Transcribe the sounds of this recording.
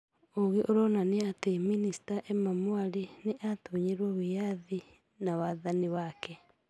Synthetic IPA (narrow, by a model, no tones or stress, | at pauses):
oɣeʔoɾɔnaneateminisi̥taʔemamwaɾineʔatoɲeɾwɔwijaði | nawaːðaniwakɛ